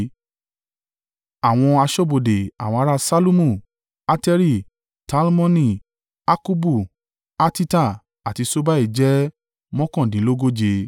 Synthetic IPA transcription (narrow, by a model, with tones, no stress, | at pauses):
a˨w̃ɔ̃˧a˧ʃɔ˦bo˨de˨a̰˨w̃ɔ̃˧a˧ɾa˦sa˦lu˦mũ˦˨ | a˧tɛ˧ɾi˦˨ | ta˨˦lmɔ̃˦nĩ˦˨ | a˦ku˦bu˦˨ | a˦ti˦ta˦˨ | a˨ti˨˧so˦ba˦i˦˨d͡ʒɛ˦ | mɔ̃˦kɔ̃˦˨dĩ˨˦lo˦ɡo˦d͡ʒe˧